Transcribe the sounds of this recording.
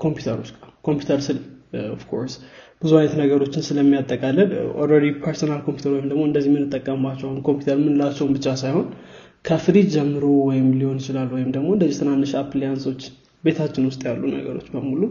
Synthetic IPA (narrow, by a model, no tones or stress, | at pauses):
kʰo̞mpʰjut̪ʰəɾot͡ʃːkʼakʰo̞mpjut̪ʰəɾsɨlofkʰo̞̰ɾsb̥ɨzumajnət̪nəɡəɾo̞t͡ʃːɪnsɨləmːijat̪ʼːəkʼalːəd̪ʔolɾeɾipʰəɾsonalkʰompju̥t̪ʰəɾwɔjɪmd̪əɡmo̞ɨnd̪əzːihmɨnːɨt̪ʼːəkʼːəmbat͡ʃːɛwahunkʰo̞mpju̥t̪əɾmɨnlat͡ʃːɛwmbɨt͡ʃːasajho̞n | kʰəfɨɾid͡ʒɛmːɨɾowɔjɪmliho̞njɪt͡ʃɪlalːwɔjɪmd̪əɡmo̞ɨnd̪əzːiht̪ʰɨnanːɨʃaplejanso̞t͡ʃː | be̞t̪ʰat͡ʃːɪnwʊst̪ʼjalːunə̰ɡə̰ɾo̞t͡ʃːbəmulu